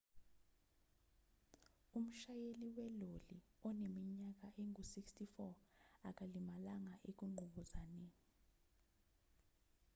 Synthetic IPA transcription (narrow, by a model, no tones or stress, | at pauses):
um̩ʃajeliwɛloliɔnemiɲak̬aʔeŋusikstʰifɔak̬ʼalimalaŋaʔek̬uŋ͡ǃʱuɓuzaneː